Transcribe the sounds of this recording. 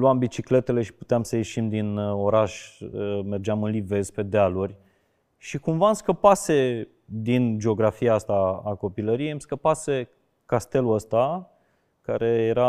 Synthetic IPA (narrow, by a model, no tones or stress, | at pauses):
luambit͡ʃikle̞t̪e̞le̞ʃi̥pu̥t̪eamsəje̞ʃimd̪ino̞ɾaʃʲəme̞rd͡ʒeamɨnlive̞zpe̞d̪ealurʲ | ʃikumvamskəpase̞ | d̪ind͡ʒeo̞ɡɾafiaast̪aːko̞piləɾijejmskəpase̞ | kast̪e̞luəst̪a | kaɾe̞jeɾa